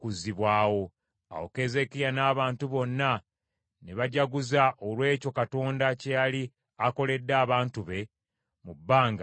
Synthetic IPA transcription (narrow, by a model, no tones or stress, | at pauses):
kuziβwaːwo̞ | a̰woke̞ze̞kijanaːβaːntuβo̞nːa | neβaɟaɡuzaʔolwe̞ːco̞kato̞ːndacejali | ako̞le̞dːaːβaːntuβe̞ | mubːaːŋɡa